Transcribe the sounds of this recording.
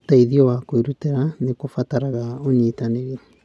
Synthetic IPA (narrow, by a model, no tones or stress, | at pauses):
taiðiɔwakoiɾuteɾanekofataɾaɣaoɲitaneɣe